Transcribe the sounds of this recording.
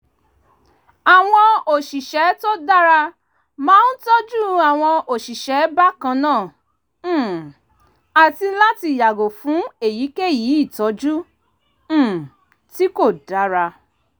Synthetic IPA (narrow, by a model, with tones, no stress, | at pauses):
a˨w̃ɔ̃˧o˨ʃi˨ʃɛ˨˦to˦da˦ɾa˧ | mãː˦n̩˦tɔ˦d͡ʒu˦a˨w̃ɔ̃˧o˨ʃi˨ʃɛ˨˦ba˦kã˧nãː˦˨˦ | a˨ti˧la˦ti˧˨ja˨ɡo˨fũ˨˦e˨ji˨˦ke˦ji˨˦i˦˨tɔ˨˦d͡ʒũ˦˨ | ti˦ko˦˨da˨˦ɾa˧